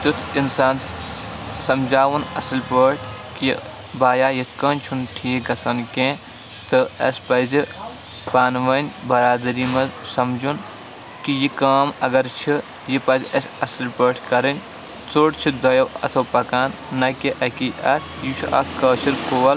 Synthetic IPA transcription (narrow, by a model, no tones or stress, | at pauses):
t̪ɨt̪ʰinsaːn | sɐmd͡ʒaːʋunɐ̰sɐlpəːʈʰki | baːjaːjɐt̪ʰkɐːnt͡ʃʰunʈʰiːɡɐsɐnkẽ | t̪ɨɐspɐzi | paːnʋɐnʲbɐɾaːd̪ɾimɐzsɐmd͡ʒʱun | kijikaːmɐɡɐɾt͡ʃʰi | jipɐzɐsʲɐslpəːʈʰkɐɾɐnʲ | t͡soːʈt͡ʃʰid̪ɐjɐwɐ̰t̪ʰopɐkaːnːɐkiʔɐkiʔɐt̪ʰjit͡ʃʰuʔɐ̰kɐːt͡ʃʰiɾkoːɐl